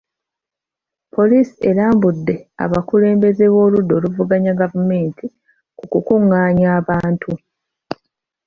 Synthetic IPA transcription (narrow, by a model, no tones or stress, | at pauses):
pʰo̞liːsielaːmbudːe̞a̰βakule̞ːmbe̞ze̞βo̞ːludːo̞ːluvuɡaɲaɡavume̞ːntʰi | kukukuŋːaːɲaːβaːntʰu